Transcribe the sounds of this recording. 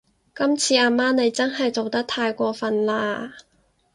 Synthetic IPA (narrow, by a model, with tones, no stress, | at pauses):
kɐ˥mt͡sʰiː˧aː˧˩maː˥ne˨˧jt͡sɐ˥nɦɐ˨jt͡so˨wt̪ɐ˥k̚t̪ʰaː˧jkʷɔː˧fɐ˨nlaː˧